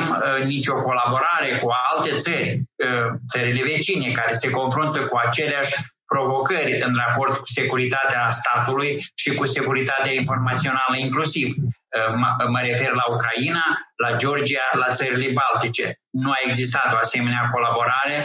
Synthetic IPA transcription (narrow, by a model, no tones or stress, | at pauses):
mnit͡ʃʲo̞ko̞labo̞ɾaɾe̞kualt̪e̞t̪sərʲ | t̪səɾile̞ve̞t͡ʃine̞kaɾe̞se̞ko̞nfɾunt̪əkuat͡ʃe̞leaʃʲ | pɾo̞vo̞kərʲɨnrapo̞rt̪̚ku̥se̞kuɾit̪at̪east̪at̪ulujʃikuse̞kuɾit̪at̪eainfo̞rmat̪sio̞naləiŋklusiv | məɾe̞fe̞rlaukɾainalad͡ʒeo̞rd͡ʒialat̪səɾile̞balt̪it͡ʃe̞̰ | nuae̞ɡzist̪at̪o̞ase̞me̞neako̞labo̞ɾaɾe̞